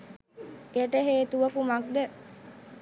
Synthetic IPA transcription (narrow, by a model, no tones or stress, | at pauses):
eʈəɦeːt̪uʋəkumak̚d̪ə